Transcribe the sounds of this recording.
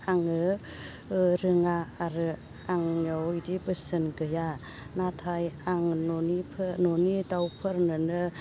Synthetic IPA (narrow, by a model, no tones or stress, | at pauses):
aŋɯ | ɾɯŋaːɾɯ | aŋɲɔwidibɯsɯnɡɯja | natʰajaŋnɔnipʰɯnɔnidawpʰɯɾnɯnɯ